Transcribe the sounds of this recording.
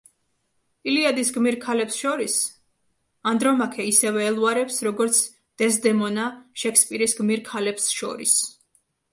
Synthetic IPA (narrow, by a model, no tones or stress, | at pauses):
iliad̪isɡmiɾkʰalɛpsʃɔɾis | and̪ɾɔmakʰɛisɛvɛːlˠuaɾɛpsɾɔɡɔɾt̪sʰ | d̪̥ɛsd̪ɛmɔnaʃɛkʰspʼiɾisɡmiɾkʰalɛpsʃɔ̰ɾḭs